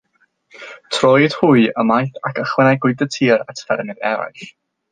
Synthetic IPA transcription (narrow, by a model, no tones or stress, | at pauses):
tʰrɔjd̥huɨəmajθakʰəχwɛnajɡʊɨdətʰiːɾatʰfɛrmɨðɛɾa̰jɬ